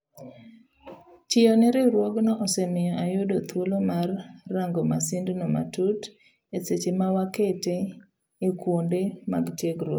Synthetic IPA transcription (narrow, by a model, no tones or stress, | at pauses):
t͡ʃɪɔnɪɾɪɾwɔɡnɔʔɔsɛmɪjɔʔajʊdot̪ʰwolomarːaŋɡɔmasindnɔma̰tut | eset͡ʃemawaketeː | kwondema̰ɡtjeɡɾo